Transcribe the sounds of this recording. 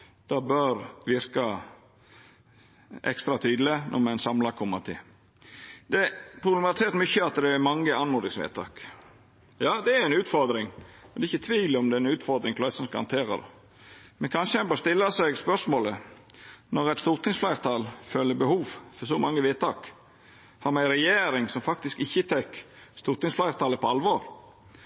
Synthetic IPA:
d̪̥ɑbœɾʋɪɾkɑ | ɛ̰kst̪ɾɑt̪ʰyːd̪l̩ɪnʔɔ̰mæɪnsɑmlɑkʰɔmːɑt̪ʰɪ̰l | d̪̥ɛpʰɾʊblɛmɑt̪ʰɪt̪mʏçəɑt̪d̪ɛːmɑŋːəɑnmʊnd̪ɪŋsʋḛːt̪t̪ʰɑ̰ːk | jɑːd̪ɛæɾæɪnʉːt̪fɔɾd̪ɾɪŋmɛnɛɪçːət̪ʰʋiːlɪɔmd̪ɛæɾɪnʉːt̪fɔɾd̪ɾɪŋpʰlɑɪsən̩skɑhɑ̰nt̪ʰeːɾɑ̰d̪ɛ̰ | mɛnkʰɑnʂəæɪnbɔst̪ɪlːɑsɛɡspœʂmoːlə | nɔɾɛt̪st̪uːʁt̪ʰɪŋsflæɪʁt̪ʰɑːlfœlːəbəhuːʋfɔɾsɔmɑŋːəʋeːt̪ʰɑːk | hɑɾmæɪɾɛjeːɾɪŋsɔmfɑkt̪ɪskɪçːət̪ʰɛkst̪uːɾt̪ɪŋsflæɪʁt̪ʰɑːləpʰɔɑlʋoːɾ

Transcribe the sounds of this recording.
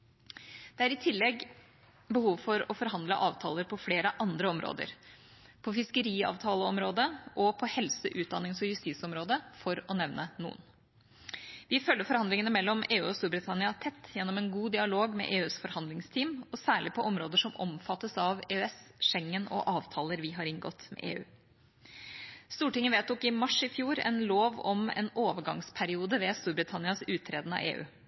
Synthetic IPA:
d̪̥ɛæɾɪt̪ʰɪlːɛɡ | bəhuːʋfɔɾɔfɔɾɦɑnd̪lə̰ʔɑːʋt̪ʰɑ̰ːləɾpʰɔfleːɾəʔɑnd̪ɾəɔmɾʔo̰ːd̪ə̰ɾpʰɔfɪskəɾiːɑ̰ːʋt̪ʰɑːləɔmɾoːd̪əʔɔpʰɔhɛlsəʔʉːt̪̚d̪ɑnːɪŋsɔjʉst̪iːsɔmɾoːd̪əfɔɾɔnɛʋnənṵːən | ʋɪfœlːəɾfɔɾhɑnd̪lɪŋənəmɛlːɔmeːʉ̰ːɔst̪uːɾbɾɪt̪ʰɑnɪɑt̪ʰɛt̪ːjɛnːɔmɛnɡuːd̪ɪɑloːɡmɛ̰ʔeːʉːsfɔɾhɑnd̪lɪŋst̪ʰiːmɔsæːɭɪpʰɔʔɔmɾoːd̪əʂɔmʔɔmfɑt̪ːəsɑʋeːœɛsʃɛŋːənɔ̰ʔɑːʋt̪ʰɑːləɾʋɪɦɑɾɪnɡɔ̰t̪mɛ̰ʔḛːʉ̰ː | st̪uːʈɪŋːənʋeːt̪ʊkɪmɑʂɪfjuːɾɛ̰nloːʋɔmɛ̰noːʋəɡɑ̰ŋspʰæɾɪuːd̪əʋɛst̪uːɾbɾɪt̪ʰɑnɪɑsʉːt̪ʰːɾeːd̪nɑ̰ḛːʉ̰ː

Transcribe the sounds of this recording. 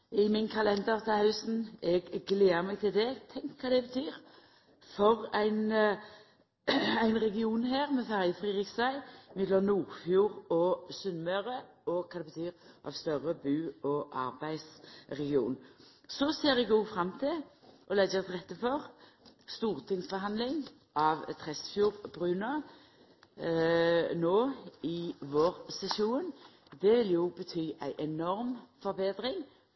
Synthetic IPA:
ɪmɪnkʰɑlɛnd̪əʁt̪ʰɪlhɑœʉsn̩ɛɡːleːəmɛːɡ̚t̪ʰɪld̪ɛt̪ʰɛŋkʰːɑːd̪ɛbət̪ʰyːʁ | fɔʁæɪn | æɪnʁɛɡɪuːnɦeːʁmɛfæʁjəfʁiːɾɪksæɪmɪd̪lɔnuːʁfjuːʁɔsʉnmœʁə | ɔkʰɑd̪ɛbət̪ʰyːɾʔɑ̰ʋst̪œʁəbʉːɔʔɑ̰ʁbæɪsʁɛɡɪṵːn | sɔseːʁɛɡuːfɾɑmt̪ʰɪʔɔlɛɡət̪ʰɪlʁɛt̪ːəfɔʁ | st̪uːʁt̪ʰɪŋsbəɦɑnd̪lɪŋ | ʔɑʋt̪ʰʁɛsfjuːʁbɾʉːnə | noːɪʋoːʁsɛsuːn | d̪ɛʋɪljʊbət̪ʰyːʔæɪʔɛnɔʁmfɔʁbeːd̪ɾɪŋ

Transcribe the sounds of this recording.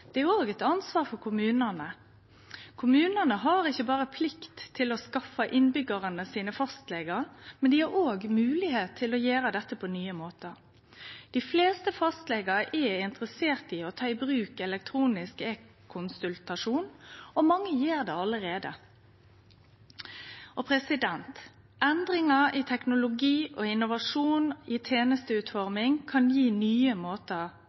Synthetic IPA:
d̪̥ɛæoːɡɛt̪ɑnsʋɑːfɔʁkʰʊmʉːnənə | kʰʊmʉːnənəɦɑːɾɪçəbɑːʁəpʰlɪkt̪ʰːɪlɔskɑfəʔɪnbʏɡɑʁənəsiːnəfɑst̪lɛːɡəɾmɛnd̪iːhɑɾoːɡmʉːlɪheːt̪ʰːɪlɔjeːɾəd̪ɛt̪ːəpʰɔnyːəmoːt̪ə | d̪̥ɪfleːst̪əfɑst̪lɛːɡəɾəʔɛɪnt̪əʁəseːʁt̪ɪɔt̪ʰɑːɪbʁʉːkɛlɛk̚t̪ʰʁuːnɪskɛkʰːʊnsʉlt̪ɑʂuːnɔmɑŋːəjeːʁd̪ɛɑləʁeːd̪ə̰ | ɔpʰɾɛsɪd̪ɛnt̪ | ʔɛnd̪ʁɪŋɑɪt̪ʰɛknʊlʊɡiːʔɔɪnːʊʋɑʂuːnɪt̪ʰeːnəst̪əʉːt̪fɔʁmɪŋkʰɑnjiːnyːəmoːt̪ə

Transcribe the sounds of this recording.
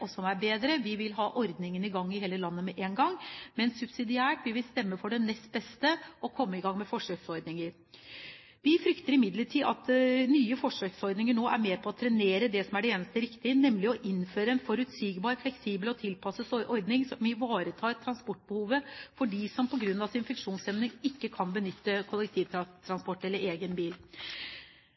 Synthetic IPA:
ɔsɔmæɾbeːd̪ɾəʋɪʋɪlɦɑːʔɔɾd̪nɪŋənɪɡɑŋːɪheːləlɑnːəmɛʔeːnɡɑŋːmɛnsʉbsɪd̪ɪæːʈʋɪʋɪlst̪ɛmːəfɔɖɛnːɛst̪̚bɛst̪əʔɔkʰɔmːəɪɡɑŋːmɛfɔʂøːɡsɔɾd̪nɪŋəɾ | ʋɪfɾʏkt̪əɾɪmɪd̪ləʈʰiːʔɑt̪nyːəfɔʂøːksɔɾd̪nɪŋəɳoːʔæɾmeːpʰɔɔt̪ʰɾɛneːɾəd̪ɛsɔmæɖɛeːnəst̪əɾɪkt̪ɪənɛmlɪɔʔɪnːføːɾəɛnfɔɾʉt̪siːɡbɑːɾflɛksiːbəlɔt̪ʰɪlpʰɑsəsʔɔɾd̪nɪŋsɔmɪʋɑːɾət̪ʰɑːt̪ʰɾɑnspɔʈːbəhuːʋəfɔɖisɔmpʰɔɡɾʉnːɑsɪnfɛkʂuːnsɛmnɪŋɪkːəkʰɑnbənʏt̪ːəkʰʊlɛk̚t̪ʰiːʋ̪t̪ʰɾɑnspɔʈːɛlːəɾeːɡənbiːl

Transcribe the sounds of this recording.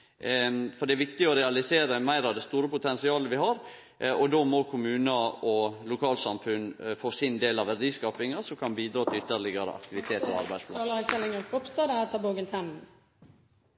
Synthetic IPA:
fɔɖɛæʋɪkt̪ɪɔɾɛɑlɪseːɾəmæɪɾɑʋd̪ɛst̪uːɾəpʊt̪ʰɛnsɪɑːləʋɪhɑɾ | ɔd̪omɔkʰʊmʉːnɑɔlʊkʰɑːlsɑmfʉnfoːsɪnd̪eːlɑʋæɖiːskɑːpɪŋəsɔmkʰɑnbiːd̪ɾɑːt̪ʰɪlʏt̪ːəɭɪɡəɾə̰ʔɑ̰k̚t̪ɪʋɪt̪ʰeːt̪ɔ̰ɑ̰ɾbæɪspʰlɑ̰lsɛlɪŋənkʰɔpst̪ɑd̪əæt̪ʰɑboɡənt̪ʰɛm

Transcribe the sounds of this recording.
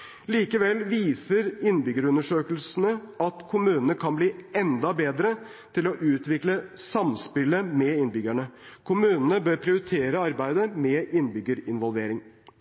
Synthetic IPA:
liːkəʋɛlːʋiːsəɾɪnbʏɡəɾʉnːəʂøːkəl̩sənəɑt̪kʰʊmʉːnənəkʰɑnbliːɛnd̪ɑbeːd̪ɾə | t̪ʰɪlɔʔʉːt̪ʋɪkləsɑmspɪləmɛɪnbʏɡæɳə | kʰʊmʉːnənəbøːɾpʰɾɪʊɾɪt̪ʰeːɾəɑɾbæɪd̪əmɛɪnbʏɡəɾɪnʋɔlʋeːɾɪŋ

